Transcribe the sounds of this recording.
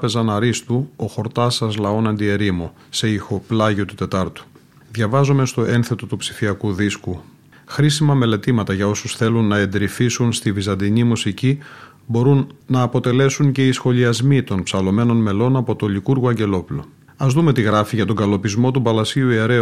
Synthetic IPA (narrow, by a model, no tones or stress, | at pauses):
ɐpe̞zɐnɐɾist̪uoxo̞ɾt̪ɐsɐzlɐo̞nɐnd̪ie̞ɾimo | se̞ixoplɐʝio̞t̪ut̪e̞t̪ɐɾt̪u̥ | ðʝɐvɐzome̞st̪o̞enθe̞t̪o̞t̪upsi̥fiɐkuðisku | xɾisimɐme̞le̞t̪imɐt̪ɐʝɐo̞susθe̞lunːɐe̞nd̪ɾifisunst̪ivizɐnd̪iɲimusici | bo̞ɾunːɐːpo̞t̪e̞le̞suɲce̞isxo̞liɐzmit̪o̞npsɐlo̞me̞no̞nme̞lo̞nɐpo̞t̪o̞likuɾɣoɐɲɟe̞lo̞pulo̞̰ | ɐzðume̞t̪iɣɾɐfiʝɐt̪̬o̞ŋɡɐlo̞pizmo̞t̪ubɐlɐsiuie̞ɾe̞